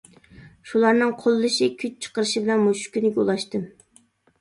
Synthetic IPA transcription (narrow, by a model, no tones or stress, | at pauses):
ʃulˠɑɾnɨŋqʰolˠːɨʃikʲʰyt͡ʃt͡ʃʰə̥qəɾɨʃibɪlɛnmoʃkʲynɪɡʲɛṵlˠɑʃt̪ɨm